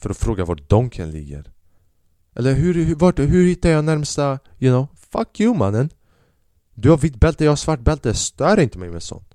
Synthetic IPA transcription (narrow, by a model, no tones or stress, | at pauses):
fœɾɔfɾoːɡavaʈ̚d̪ɔŋkʰənlɪ̰ɡə̰ɾ | ʔɛlːəɾɦʉɾhvaʈɦɵɾhɪt̪ːajɑːnæɾmst̪ajʉnɔ | fakʰːjʉːma̰nːən | d̪ʉhavɪt̪̚ːbɛlt̪əjɑːhasvaʈ̚ːbɛlt̪əst̪œːɾɪnt̪əmɛjmɛ̰sɔ̰nt̪